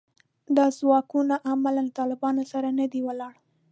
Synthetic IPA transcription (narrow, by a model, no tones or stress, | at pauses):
d̪ɑzwɑkunaʔamalant̪ɑlɪbɑnosaɾanəd̪iwəlɑɽ